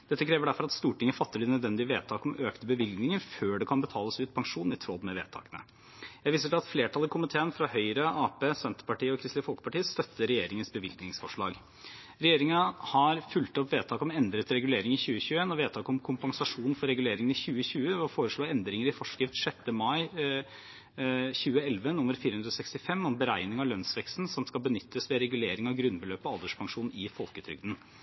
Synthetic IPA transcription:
d̪ɛt̪ːəkʰɾeːʋəɖæɾfɔɾɑt̪st̪uːʈɪŋːəfɑt̪ːəɖɪnœd̪ʋɛnd̪ɪʋeːt̪ʰɑːkɔmøːkt̪əbəʋɪlɡnɪŋəɾføːɖɛkʰɑnbət̪ʰɑːləsʉːt̪̚pʰɑŋʂuːn̩ɪt̪ʰɾɔlːmɛʋḛːt̪ʰɑ̰ːkənə̰ | jæɪʋiːsəɖɛɑt̪fleːʈʰɑlɪkʰʊmɪt̪ʰeːənfɾɑhœʏɾəɑːpeːsɛnt̪əɾpɑʈiːəɔkʰɾɪst̪ɪfɔlkə̥pɑʈiːəst̪œt̪ːəɾɛjeːɾɪŋənsbəʋɪlɡnɪŋsfɔʂɭɑ̰ːɡ | ɾɛjeːɾɪŋəhɑɾfʉlt̪ɔpʋeːt̪ɑːkɔmɛnd̪ɾət̪ɾɛɡʉleːɾɪŋɪçʉːəçʉːeːnɔʋeːd̪t̪ʰɑːkɔmkʰʊmpɑŋsɑʂuːnn̩fɔɾɛɡʉleːɾɪŋənɪçʉːəçʉːəʋɔfoːɾəʂɭoːɛnd̪ɾɪŋəɾɪfɔʂkɾɪft̪ʂɛt̪ːəmɑɪ | çʉːəɛlʋənʊmːəɾfiːɾəhʉnd̪ɾɔsɛkst̪ɪfɛmːɔmbəɾæɪnɪŋɑlœnsʋɛkst̪n̩sɔmskɑlbənʏt̪ʰːəsʋɛɾɛɡʉleːɾɪŋɑɡɾʉnbəløːpɔɑld̪əʂpʰɑŋʂuːnɪfɔlkət̪ʰɾʏ̰ɡ̚d̪n̩

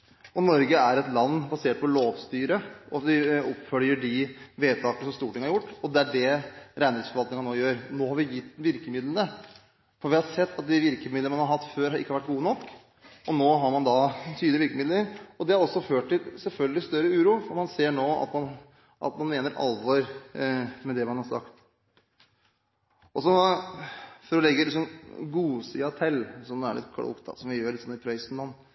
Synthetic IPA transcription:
ɔnɔɾɡəæɾɛt̪lɑnːbɑseːʈ̚pʰɔloːʋst̪yːɾəʔɔɑt̪ʋɪɔpfœljəɖɪʋeːt̪ʰɑːk̪əsɔmst̪uːʈʰɪŋːəhɑɾjʊʈːɔd̪ɛæɖɛɾæɪnɪsfɔɾɑlt̪ɪŋɑnoːjøːɾnoːhɑɾʋɪjɪt̪ːʋɪɾkəmɪd̪lənə | fɔɾʋɪhɑɾsɛt̪ʰːɑt̪̚d̪ɪʋɪɾkəmɪd̪ənəmɑnhɑɾɦɑt̪ːføːɾhɑɾɪ̰kːəɑɾʋæʈ̚ːɡuːənɔkː | ʔɔnoːɦɑɾmɑnd̪ɑt̪ʰyːd̪əʋɪɾkəmɪd̪ləɾɔd̪ɛhɑɾɔsːɔføːʈʈɪlsɛlfœlɡəlɪst̪œɾəʉːɾuːfɔɾmɑnseːɳoːɑ̰t̪mɑn | ʔɑ̰t̪mɑnmeːnəɾʔɑ̰lʋɔɾ | mɛd̪ɛmɑnhɑɾsɑ̰kt̪ | ɔsɔ | fɔɾɔlɛɡːəlɪksɔmɡuːsɪɑt̪ʰɛlːsɔmd̪æ̰ɭɪ̰t̪kʰɽṵkt̪d̪ɑ̰sɔmʋɪjøːɾɭɪt̪sɔnɪpʰɾœɪsnmɑnː

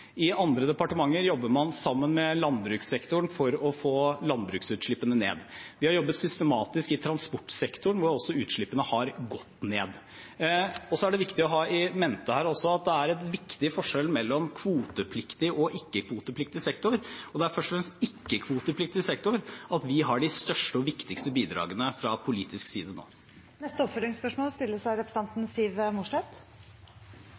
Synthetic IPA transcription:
ɪʔɑnd̪ɾəd̪ɛpɑʈəmɑŋːəɾjɔbːəmɑnsɑmːənmɛlɑnbɾʉːksɛkt̪ʊɳfɔɾɔfoːlɑnbɾʉːksʉːt̪ʂɭɪpːənənḛːd̪ʋɪhɑɾjɔbːət̪sʏst̪əmɑːt̪ɪskɪt̪ʰɾɑnspɔʈːsɛkt̪ʊɳʋʊɾɔsːɔʉːt̪ʂɭɪpːənəhɑɾɡɔt̪ːneːd̪ | ɔsɔæɖɛʋɪkt̪ɪɔɦɑːʔɪmɛnt̪əhæːɾɔsːɔɑt̪̚d̪ɛæɾɛt̪ʋɪkt̪ɪfɔʂɛlmɛlːɔmkʰʋuːt̪əpʰlɪkt̪ɪʔɔʔɪkːəkʰʋuːt̪əpʰlɪk̚t̪ɪsɛkt̪ʊɾɔd̪ɛæɾfœʂʈɔfɾɛmst̪ɪkːəkʰʋuːt̪əplɪk̚t̪ɪsɛkt̪ʊɾʔɑt̪ʋɪɦɑɖɪst̪œʂʈəɔʋɪkt̪ɪkst̪əbiːd̪ɾɑ̰ːɡənəfɾɑpʰʊliːt̪ɪsksiːd̪əno̰ː | nɛst̪əɔpfœlɪŋspœʂmoːlst̪ɪlːəsæɪɾɛpɾə̥sɑnt̪n̩siːʋmʊʂʈɛt̪

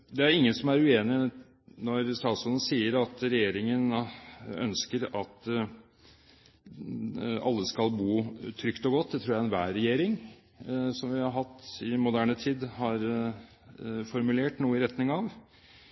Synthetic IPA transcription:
d̪ɛæɾɪŋːənsɔmæɾʉeːnɪ | nɔɾst̪ɑːt̪sɔlən̩siːəɾɑt̪ɾɛjeːɾɪŋən | œ̰nskəɾɑt̪ | ɑ̰lːəskɑlbuːt̪ʰɾʏkt̪ɔɡɔt̪ːd̪ɛt̪ʰɾuːjæɛnʋæːɾɛjeːɾɪŋ | sɔmʋɪhɑɾɦɑt̪ːɪmʊd̪æːɳət̪ʰiːd̪hɑɾ | fɔɾmʉleːʈnuːəɪɾɛt̪nɪŋɑʋ

